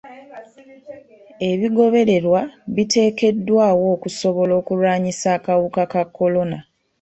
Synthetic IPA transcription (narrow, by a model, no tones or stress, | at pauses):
e̞βiɡo̞βe̞ɾe̞ɾwaβite̞ːke̞dːwaːwo̞ːkuso̞βo̞lo̞ːkulwaːɲisaːkawukakakːo̞lo̞na